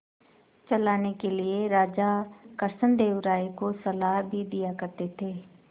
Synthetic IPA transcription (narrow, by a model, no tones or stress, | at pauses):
t͡ʃəlaːnekelɪeɾaːd͡ʒaːkəɾsənd̪eːʋʊɾaːekosəlaːɦbʱiːd̪ɪjaːkəɾt̪eːt̪ʰeː